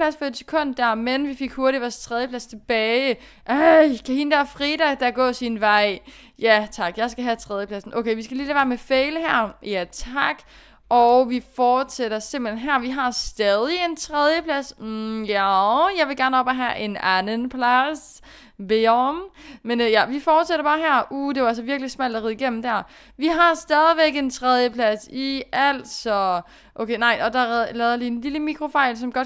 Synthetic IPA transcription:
læsfɒ̽ed̥sə̥kʰɔ̽n̰d̥ːæɐ̰menʋife̝ɡ̥hoɐɾiʋɒst͡sʰʁɛð̞ˠjəpʰlæst͡sʰe̝b̥ɛːɪ | ʔækʰæhind̥æɐfʁiːd̥æd̥æɡ̥ɔ̰̽ːsinʋɑ̈ɪ̰ | jæt͡sʰɑ̈ɡ̥jɑ̈ɪsɡ̥æɦæt͡sʰʁɛð̞ˠjəpʰlæsn̩ʔoʊkeɪʋisɡ̥æliːdæʋæːmefeɪləɦæɐ̰jæt͡sʰɑ̈ɡ̥ | ʔɒʊʋifɒːd̥seɾ̥ɐse̝mb̥lenɦæɐʋiɦɑ̈sd̥ɛð̞ˠie̝nt͡sʰʁɛð̞ˠjəpʰlæs̩jæjɑ̈ɪʋe̝ɡ̥æɐnəɒ̽b̥æɦæʔe̝nænənpʰlæs | ʋemmenjæʋifɒːd̥seɾɐb̥ɑ̈ːɦæɐ̰ʔuːd̥e̝ʋɑælsɒ̽ʋiɐɡ̥lismæl̰d̥æʁið̰ˠiɡ̥en̰m̩d̥æɐ̰ | ʋiɦɑ̈sd̥ɛːð̞ˠiʋeɡ̥e̝nt͡sʰʁɛð̞ˠjəpʰlæsiæl̰d̥sɒ̽ | ʔokʰeɪnɑ̈ɪ̰ʔɒ̽d̥ɑlɛðˠɐlienliləmikʰʁo̝fɑ̈ɪlsɒ̽mɡ̥ɒ̽d̥

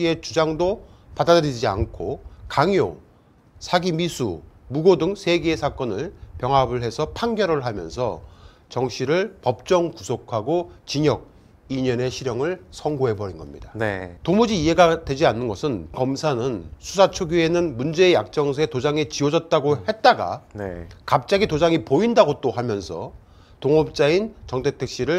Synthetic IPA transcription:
ie̞t͡ɕud͡ʑaŋdo | padadɯɾid͡ʑia̰nkʰokaŋjo̰ | sʰaɡimisʰṵmuɡodɯŋsʰe̞ɡeːsʰak͈ʌnɯɭpjʌŋɦabɯɭɦe̞sʰʌpʰaŋɡjʌɾɯɭɦamjʌ̰nsʰʌ̰ | t͡ɕʌŋɕʰiɾɯɭpʌp̚t͡ɕ͈ʌŋkusʰokʰaɡot͡ɕiɲʌɡ̚ | iɲʌne̞ɕʰiɾjʌŋɯɭsʰʌŋɡoɦe̞bʌɾinɡʌ̰mɲidanetomud͡ʑiːe̞ɡadwe̞d͡ʑianːɯnɡʌsʰɯnkʌmsʰanɯnsʰusʰat͡ɕʰoɡjue̞nɯnmund͡ʑe̞ːjak̚t͡ɕ͈ʌŋsʰetod͡ʑaŋet͡ɕiʌd͡ʑʌt̚t͈aɡohe̞t̚t͈aɡa̰nekap̚t͡ɕ͈aɡitod͡ʑaŋipoindaɡot͈ohamjʌnsʰʌ̰ | toŋʌp̚t͡ɕ͈aint͡ɕʌŋtʰetʰek̚ɕ͈iɾɯɭ

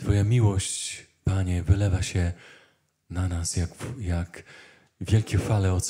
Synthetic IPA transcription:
t̪fɔjamʲiwɔɕt͡ɕ | paɲɛvɘlɛvaɕɛ | nanasjakjak | vʲjɛlkʲɛfalɛɔt̪s

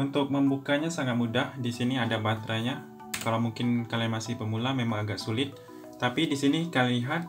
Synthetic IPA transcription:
unt̪ʊk̚məmbukaɲasaŋat̪̚mudahdisiniadabat̪ɾaɲa | kalawmuŋkɪnkalianmasɪhbəmulamemaŋaɡak̚sulɪt̪̚ː | apidisinikaliliɦat̪̚

